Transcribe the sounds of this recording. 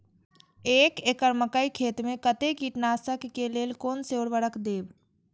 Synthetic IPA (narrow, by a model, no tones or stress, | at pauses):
eːkekəɾməkəikʰeːt̪mẽkət̪ekiʈnaːsəkːeleːlkoːnseoːɾʋəɽəkd̪eːw